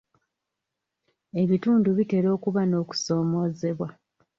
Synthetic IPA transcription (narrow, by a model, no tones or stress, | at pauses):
e̞βituːnduβite̞ɾo̞ːkuβano̞ːku̥so̞ːmo̞ːze̞βwa